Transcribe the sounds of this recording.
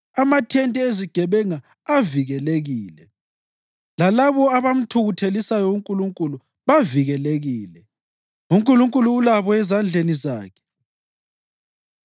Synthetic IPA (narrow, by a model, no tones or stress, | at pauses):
amatʰɛntʼɛeziɡ̥ʱɛβɛŋaː | viɣɛleɣiːlɛ | lalaβɔaβam̩tʰuɣutʰelisajɔuŋkʼuluŋkʼulu | βaviɣɛleɣiːlɛ | uŋkʼuluŋkʼuluːlaβɔɛzand͡ɮʱeniza̰ːkʰɛ̥